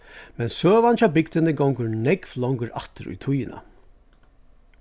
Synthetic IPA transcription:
mɛnsøːvant͡ʃabɪkd̪ɪnɪɡɔwŋkəɾnɛkvlɔwŋkəɾat̪ɪɾṵjt̪ʰʊjɪna̰

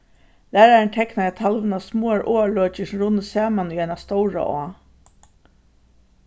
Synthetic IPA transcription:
læːɾaɾɪɳt̪ʰɛknaɛt̪ʰalʋɪnasmoːaɾʔoːaløːt͡ʃɪsɾʊnːəsaːmaniajnast̪ɔwɹa̰ʔɔ̰ː

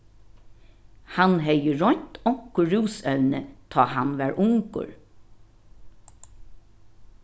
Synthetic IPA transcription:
hanɦɛjəɹɔɲt̪ɔkʰːʊɹuːsœʉnət̪ʰɑːhanʋæːɹʔʊŋkʊ̰ɹ

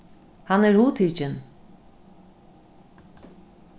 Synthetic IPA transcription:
hɑnɛɾhuːt̪ʰit͡ʃən

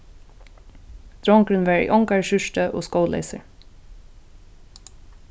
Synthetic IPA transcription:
d̪̥ɾɔŋkɾɪnʋæɹḭʔɔŋkaɹʃʏʂtəʔo̰ːskoːwlɛ̰ɪsə̰ɹ

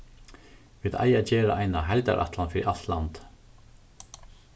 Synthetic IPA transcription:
viːða̰jaːt͡ɕɛːɾaʔajnaɦajlt̪a̰ɾʔa̰ht̪lanfɪːɾiʔal̥t̪lant̪

